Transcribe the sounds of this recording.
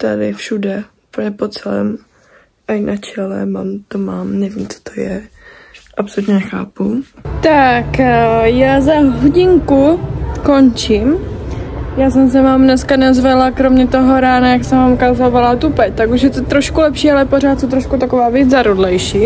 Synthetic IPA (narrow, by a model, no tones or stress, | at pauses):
t̪adɪ̰fʃudɛupl̩ɲɛpot͡sɛlɛ̰ːm | ʔajnʔat͡ʃɛlɛ̰maːmt̪omaːmnɛviːmt͡so̥t̪ʰojɛ | ʔapsolut̪ɲɛnɛxa̰ːput̪akjaːzaɦoɟɪŋkuko̞nt͡ʃɪm | jaːsɛms̬ɛmaːmnɛskanazvalakɾomɲɛt̪oɦo̞ɾaːnajaksɛvaːmkazovalat̪upɛt̪akuʃjɛt̪ot̪ɾoʃkulɛpʃiːalɛpoɾaːt̪sot̪ɾoʃkut̪akovaːvjɛt͡szaɾodlɛjʃiː